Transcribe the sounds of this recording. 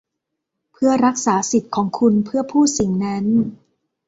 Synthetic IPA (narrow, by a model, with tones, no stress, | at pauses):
pʰɯ˥˩ɐɾa˦˥k̚saː˩˦si˨˩t̪̚kʰɔː˩˦ŋkʰu˧npʰɯ˥˩ɐpʰuː˥˩si˨˩˦ŋna˦˥n